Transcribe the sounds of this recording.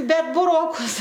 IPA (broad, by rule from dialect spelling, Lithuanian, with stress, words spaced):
ˈbʲɛt bʊˈroːkʊs